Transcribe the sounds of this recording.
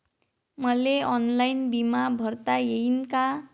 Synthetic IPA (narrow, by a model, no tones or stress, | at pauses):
mʌleʌnlajnbimabʱʌrt̪ajeinka